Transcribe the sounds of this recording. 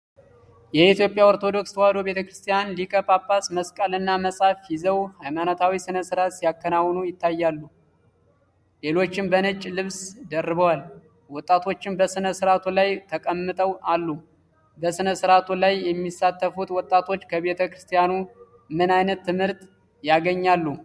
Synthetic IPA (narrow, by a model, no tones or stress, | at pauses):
jɛit̪jo̞pʼːjawoɾt̪ʰo̞d̪o̞kst̪ʰwad̪o̞βe̞t̪ʰəkɾɨst̪ʰijanlikʼəpʼapːasməskʼalɨnːaməsʼafjɪzəwhajmanot̪ʰawisɨnəsɨɾat̪sijakːənawːnujɪt̪ːajːalːu | le̞lo̞t͡ʃːɪmbənɨt͡ʃʼːlɨβsd̪ərːɨβəwal | wɔt̪ʼːat̪ʰo̞t͡ʃːɪnbəsɨnəsɨɾat̪ʰulajt̪ʰəkʼəmːɨt̪ʼəwalːu | bəsɨnəsɨɾat̪ʰulajjɛmːisːat̪ːəfut̪wɔt̪ʼːat̪ʰo̞t͡ʃːkʰəβe̞t̪ʰəkɾɨst̪ʰijanu | mɨnajnət̪ːɨmhɨɾt̪ | jaɡəɲːalːu